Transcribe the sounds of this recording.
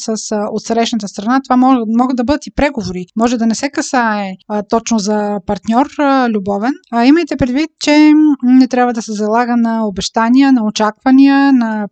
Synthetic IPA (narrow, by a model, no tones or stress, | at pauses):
səsot̪sɾɛʃnət̪əst̪ɾɐnat̪ovamɔɡəd̪d̪ɐbɤd̪ət̪ipɾɛɡovoɾimɔʒɛd̪ɐnɛsɛkɐsaɛt̪ɔt͡ʃnozɐpɐɾt̪nʲɔɾlʲubɔvɛniməjt̪ɛpɾɛd̪vit̪̚t͡ʃɛnɛt̪ɾʲabvəd̪ɐsɛzɐlˠaɡənɐobɛʃt̪aniənɐot͡ʃakvɐniənɐ